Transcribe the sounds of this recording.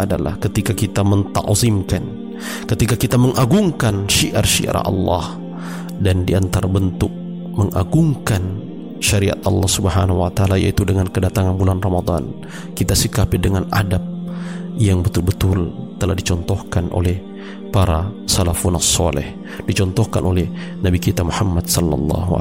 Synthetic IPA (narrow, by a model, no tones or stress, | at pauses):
ʔadala̰hkət̪ikakit̪amənt̪a̰ʔzimkan | kət̪ikakit̪aməŋʔaɡuŋkanʃiʔa̰rʃḭʔa̰ɾa̰ɑ̰lːɑ̰h | dandiant̪aɾabənt̪ʊk̚ | məŋaɡuŋkan | ʃaɾia̰t̪ɑ̰lːɑhsubəɦanawat̪aalaja̰it̪udəŋankədat̪aŋanbulanromad̪ˤɑ̰n | kit̪asikapɪdəŋanadap̚jaŋbət̪ulbət̪ʊlt̪əlahdit͡ʃɔnt̪ɔhkanʔo̰lɛh | paɾa | salafunasːɔlɛ̰h | d̥it͡ʃɔnt̪ɔhkanʔolɛh | nabikit̪amuhamːadsɔlːɑ̰lːɑ̰ɦu